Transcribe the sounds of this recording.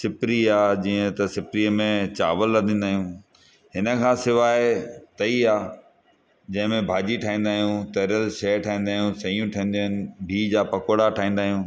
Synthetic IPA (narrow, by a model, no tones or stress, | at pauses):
sɪpɾiaːd͡ʑiːə̃t̪ɐsɪpɾiəmẽt͡ɕa̰ːʋəlːɐd̪ʱĩːn̆d̪aːɦijũ | ɦɪnə̆kʰãːsɪʋaːɪt̪ɐiaː | d͡ʑɐ̃ɦɪ̃mẽbʱaːd͡ʑiʈʰaːɦĩːnd̪aːɦijũt̪eːɾəlʃɛːʈʰaːĩːnd̪aːɦijũsɐiːũʈʰɐ̃ɦn̆d̪oɪnɪ̆bʱiːd͡ʑaːpɐkoːɽaʈʰaːĩːnd̪aːɦijũː